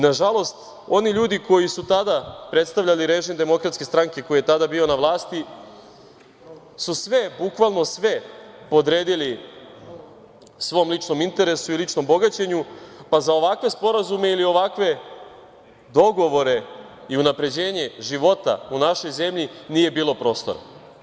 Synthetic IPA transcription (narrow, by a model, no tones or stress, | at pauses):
naʒalˠo̞st̪ | o̞niʎuːd̪iko̞jisut̪ad̪apɾe̞t̪st̪aʋʎaliɾe̞ʒimd̪e̞mo̞kɾat̪skest̪ɾaŋke̞ko̞jije̞t̪ad̪abio̞naʋlˠaːst̪i | susʋe̞bukʋalˠno̞sʋe̞ | po̞d̪ɾe̞ːd̪ili | sʋo̞mlit͡ʃno̞mint̪e̞ɾe̞suilit͡ʃno̞mbo̞ɡat͡ɕe̞ɲupazao̞ʋakʋe̞spo̞ɾazume̞ilio̞ʋakʋe̞ | d̪o̞ɡo̞ʋo̞ɾe̞iunapɾe̞d͡ʑe̞ːɲe̞ʒiʋo̞t̪a̰unaʃo̞jze̞mʎiniːje̞biːlˠo̞pɾo̞ːst̪o̞̰ɾa̰